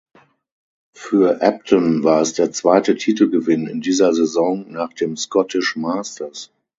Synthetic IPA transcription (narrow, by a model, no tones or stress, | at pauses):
fyːɐʔɛp̚tʰənvaːɐɛsd̥eːɐt͡sv̥aɪtətʰiːtl̩ɡəvɪnɪ̰ndiːzɐzɛzɔ̃ŋnaːχd̥eːmskɔtɪʃmaːstɐs